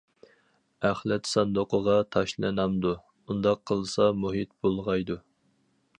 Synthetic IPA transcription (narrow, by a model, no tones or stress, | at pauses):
æχlɛt̪sɑnd̪oqʰəʁɑt̪ʰɑʃlˠɨnɑmd̪u | und̪ɑqʰːəlˠsɑmuɦit̪̚bolˠʁɑjd̪u